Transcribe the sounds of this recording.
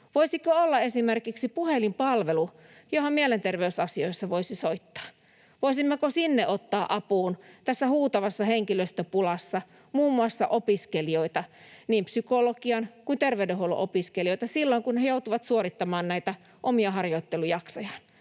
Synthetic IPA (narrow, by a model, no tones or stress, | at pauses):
ʋoisikkoolːɑesimerkiksipuhelimpɑlʋelu | johomielent̪erʋeysɑsioisːɑʋoisisoit̪ːɑ̥ː | ʋoisimːøkosinːeʔot̪ːɑːʔɑpuːnt̪æsːæhuːt̪ɑʋɑsːɑheŋkiløst̪øpulɑsːɑ | muːmːuɑsːɑʔopiskelioit̪ɑniːmpsykolokiɑnkuint̪erʋeydeɦholṵʔopiskelioit̪ɑsilːoiŋkunnejout̪uʋɑt̪suoɾit̪ːɑmɑːnnæit̪æ | ʔomiɑɦɑrjoit̪ːelujɑksojɑn